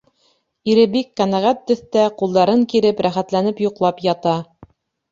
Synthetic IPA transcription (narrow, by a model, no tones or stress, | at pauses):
iɾɘbikːænæʁæt̪ːɵ̆θt̪æqulˠd̪ɑɾɤŋkiɾɘpɾæχæt̪lænɘpjuqlˠɑpjɑt̪ɑ